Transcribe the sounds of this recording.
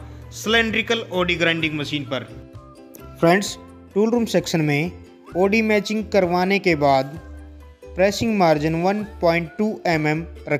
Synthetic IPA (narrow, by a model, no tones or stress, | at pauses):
sɪlẽːɳɖɾɪkəloːɖiɡɾãːɪ̃ɳɖɪ̃ŋɡmɐʃiːnpɐɾ | pʰɾɛ̃ɳɖs | ʈuːlɾuːmsɛːkʃənmẽ | oːɖimɛːt͡ʃɪ̃ŋɡkɐɾʋaːnekebaːd̪ | pɾeːsɪ̃ŋɡmaːɾd͡ʒɪnʋɐnpɔːɪ̃ɳʈʈːuːʔɛːmɛmɾɐ